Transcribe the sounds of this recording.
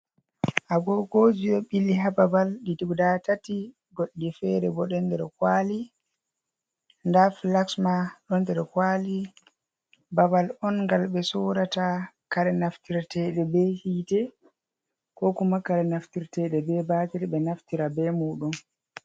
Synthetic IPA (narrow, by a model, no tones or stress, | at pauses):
ʔaɡɔɡod͡ʒiɓɛɓilːiɦababalɗiduɡdatati | ɡoɗːifɛɾɛbɔɗɛndɛɾɛkwali | ndaflaksmaɗɔndɛɾɛkwali | babalɔnŋɡalɓɛsɔːɾatakaɾɛnaftiɾtɛɗɛbɛhiːtɛ | kɔkumakaɾɛnaftiɾtɛɗɛbɛbatɛɾɓɛnaftiɾabɛmuːɗun